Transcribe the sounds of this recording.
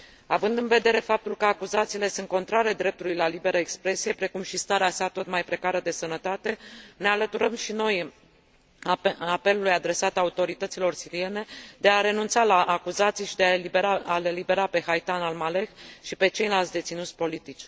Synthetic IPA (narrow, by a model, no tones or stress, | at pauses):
avɨnd̪ɨnve̞d̪e̞ɾe̞fap̚t̪ulkəakuzat̪siːle̞sunt̪̚ko̞nt̪ɾaɾed̪ɾe̞p̚t̪ulujlalibe̞ɾəekspɾe̞sije̞pɾe̞kumʃist̪aɾeasat̪o̞t̪majpɾe̞kaɾəd̪e̞sənət̪at̪e̞ne̞alət̪uɾəmʃino̞j | ape̞lulujad̪ɾe̞sat̪aut̪o̞ɾit̪ət̪silo̞rsiɾie̞ne̞d̪e̞aɾe̞nunt̪salaʔːkuzat̪sijʃid̪eaeibeɾaale̞libe̞ɾape̞hajt̪analmale̞xʃipe̞t͡ʃe̞jlalt̪sʲd̪et̪sinut̪sʲpo̞lit̪it͡ʃʲ